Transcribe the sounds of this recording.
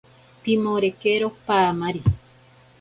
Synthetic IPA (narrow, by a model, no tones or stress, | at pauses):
pimoɾekeɾopaːmaɾi